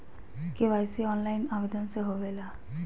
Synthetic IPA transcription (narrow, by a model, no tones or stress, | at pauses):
keʋajsiɔnlajnabed̪ɔnseɦobela